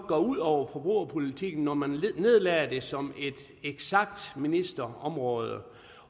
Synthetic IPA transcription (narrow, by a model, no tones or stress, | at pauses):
ɡ̥ɒ̰ːuð̞̰ˠɒʊ̰ɐfɒ̽b̥ʁuɐpʰo̝lit͡sʰiɡ̥n̩ːɒmænne̝ð̞̰ˠlɛːɐd̥e̝sɒ̽me̝d̥ | eɡ̥sɑɡ̥̚d̥minisd̥ɐɒ̽mʁɔ̽ːð̞ˠə